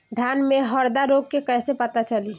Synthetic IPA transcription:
d̪ʱjaːnmẽɦɔɾd̪aɾoːɡ̚kekɛːsepɐt̪at͡ʃɐliː

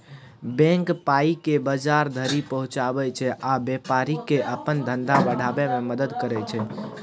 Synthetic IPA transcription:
bɛ̃ŋkpaikebəd͡ʒaɾd̪ʱəɾipəɦũt͡ʃabɛt͡ʃʰɛʔabepaɾikeʔəpənd̪ʱənd̪abəɽ̤ʱabɛmeməd̪əd̪kəɾɛt͡ʃʰɛ

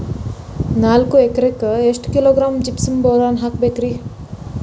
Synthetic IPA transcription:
naːlkoekɾekesʈkiloːɡɾaːmd͡ʒipsəmboɾaːnɦakbekɾi

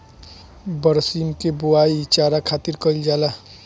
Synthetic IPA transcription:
bəɾsimkebuait͡ʃaːɾakʰaːt̪iɾkəld͡ʒaːla

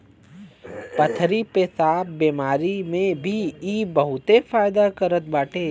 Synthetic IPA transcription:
pɐt̪ʰɾipesaːp̚beːmaːɾimẽbʱiiːbəɦʊt̪efaːjd̪akəɾət̪̚baːʈʰeː

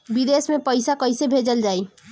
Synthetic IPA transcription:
bid̪esmepəjsakəjsebʱed͡ʒəld͡ʒaj

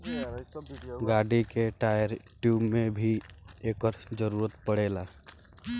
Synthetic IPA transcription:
ɡaːɖikeʈaːjəɾʈjuːmːẽbʱieːkəɾd͡ʒəɾuːɾət̪pəɽeːla

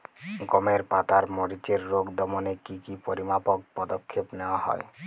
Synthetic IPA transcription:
ɡɔmeɾpat̪aɾmɔɽit͡ʃeɾːoɡd̪ɔmonekikipoɾimapok̚pɔd̪okʰːepnewahɔ̰e

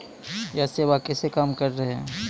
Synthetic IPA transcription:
jaseːʋakɛsekaːmkəɾɾɐɦɛ̃

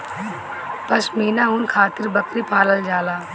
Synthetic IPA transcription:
pɐsmeːnaʊnkʰaːt̪ɪɾbɐkɾipaːləld͡ʒaːlaː

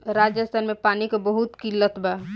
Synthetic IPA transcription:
ɾaːd͡ʒəst̪ʰənmepaːnikebəɦut̪kilːət̪bʱɛ

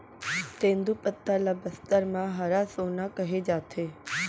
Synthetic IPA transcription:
t̪ẽːnd̪upət̪ːalabəst̪əɾmãɦaɾasoːnakɐɦed͡ʒaːt̪ʰeː

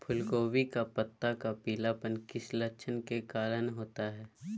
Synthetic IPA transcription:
pʰʊlkoːwikapət̪ːakapiːlapənkɪslətːʃʰənkekaːlənɦoːt̪aɦɛː

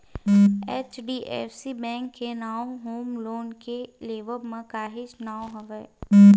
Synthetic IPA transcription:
eːt͡ʃɖiːʔḛfsibɛ̃ːŋkːenaːoɦoːmloːnkeleːʋəɾmə̃kaːɦɪʃnaːoɦɐʋɛː

